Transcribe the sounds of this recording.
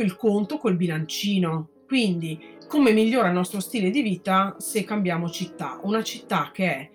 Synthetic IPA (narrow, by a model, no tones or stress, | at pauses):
ilkont̪okolbilant͡ʃiːno | kwind̪i | komemiʎːoːɾailnɔst̪ɾost̪iːled̪iviːt̪asekːambjaːmot͡ʃit̪ːa̰unat͡ʃit̪ːak̟ːeɛ